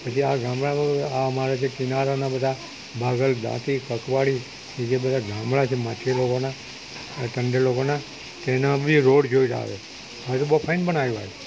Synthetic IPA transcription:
pət͡ʃʰiaɡʱãmɭaaamaɾad͡ʒʰekɪnaɾanabəd̪ʱa | bʱaɡəld̪ã̰t̪ikəkʋaɭi | ked͡ʒebəd̪ʱaɡʱãmɭat͡ʃʰemãt͡ʃʰelokona | ʈ̪əɳɖelokona | t̪oenabəd̪ʱiɾoɽd͡ʒoiɾa̰ʋḛ | ət̪bopʰainbənajʋa̰e

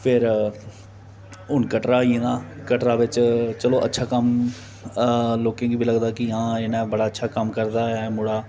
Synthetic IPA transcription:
pʰɪɾ | ʊnkəʈɾaːiẽːd̪aːkəʈɾaːʋɪt͡ʃt͡ʃəloːʔə̰tːʃʰaːkəm | loːkẽːɡiːbʱiːləɡd̪aːkɪãːeːnãːbəɽaːətːʃʰaːkəmkəɾd̪aːɛːmʊɽaː

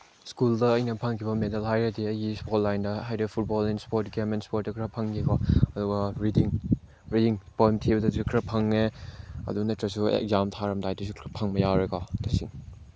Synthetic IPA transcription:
skuldɐːjnɐpʰɐŋkʰibɐmedɐlɦajɾɐdiɐjɡispotlajndɐɦajdɐpʰut̚bɔlenspoɾtɡemenspoɾt̚dɐkʰɾɐpʰɐŋɡikɔɐduɡɐɾidiŋ | ɾidiŋpojmtʰibɐdɐsukʰɾɐpʰɐŋːeɐ̰duɡnɐtɾɐsuḛk̚zamtʰaɾɐmtajdɐs̬ukʰɾɐpʰɐŋmɐjawɾekɔtʰɐsiŋ

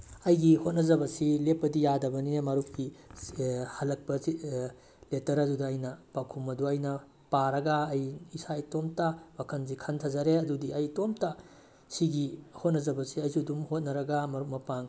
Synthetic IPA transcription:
ɐjɡihot̚nɐzɐbɐsilepːɐdijadɐbɐnimɐɾup̚ki | hɐlɐk̚pɐi | letɐɾɐdudɐːjnɐpakʰumɐduɐjnɐ | paɾɐɡɐːjisajtomtabakʰɐnzikʰɐntʰɐzɐɾeɐdudiɐjtomta | siɡihot̚nɐzɐbɐsiɐjsudumhot̚nɐɾɐɡɐmɐɾuk̚mɐpaŋ

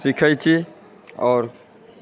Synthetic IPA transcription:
sikʰəjt͡ʃʰi | ɔːɾ

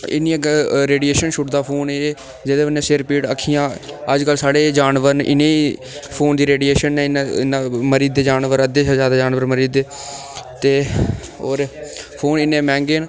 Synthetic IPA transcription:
ɪ̰nːiẽɾeːɖieːʃənʃʊʈd̪aːpʰoːne | d͡ʒɪd̪eːənẽːsɪɾpiːʈəkʰːiːjãː | əd͡ʒkəlsaːɽeːd͡ʒaːnʋəɾnɪ̰nẽːi | pʰoːnd̪iːɾeːɖieːʃənːɛ̃ːɪnɪnaːməɾiːd̪eːd͡ʒaːnʋəɾəd̪eːʃaːzjaːd̪aːd͡ʒaːnʋəɾməɾiːd̪eː | t̪eːoːɾpʰoːnɪnːẽːmɛ̃ːŋɡeːn

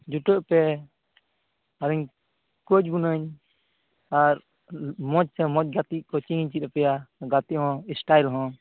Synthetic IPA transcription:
d͡ʒuʈəʔpɛ | aɾiɲ | kot͡ʃɡunəɲ | aɾ | mɔt͡ʃ̚sɛmɔt͡ʃ̚ɡat̪iʔkɔt͡ʃiŋɲt͡ʃit̪̚ɾɛpɛjaɡat̪iʔɦɔ̃isʈajlɦɔ̃

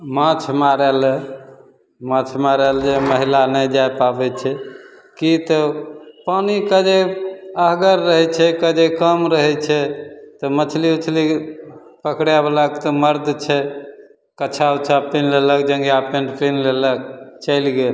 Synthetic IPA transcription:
mãt͡ʃʰmaɾɛl | mãt͡ʃʰmaɾəld͡ʒeməɦilanəjd͡ʒajpabɛt͡ʃʰɛ | kit̪ɔpanikəd͡ʒeəɦɡəɾːəɦɛt͡ʃʰɛkəd͡ʒekəmɾəɦɛt͡ʃʰɛt̪ɔmət͡ʃʰliut͡ʃʰli | pəkɽabləkt̪ɔməɾd̪t͡ʃʰɛ | kət͡ʃʰaut͡ʃʰapinlelək̚d͡ʒə̃ŋɡiapẽɳɖpɾinlelək̚t͡ʃəjlɡel

